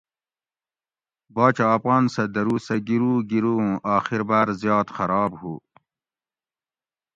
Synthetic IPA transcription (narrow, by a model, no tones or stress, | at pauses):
bɑːt͡ɕaːpʁɑːnsɐd̪ɐɾuːsɐɡiɾuːɡiɾuũʔɑːxiɾbaːɾzjɑːt̪xɐɾɑːbhuː